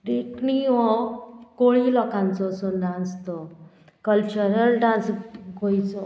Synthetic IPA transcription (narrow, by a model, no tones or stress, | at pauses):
ɾekɳiʋɔ̃koɭilɔkãnt͡sɔsɔɖãnst̪ɔ | kəlt͡ɕəɾəlɖãnsɡʱojt͡sɔ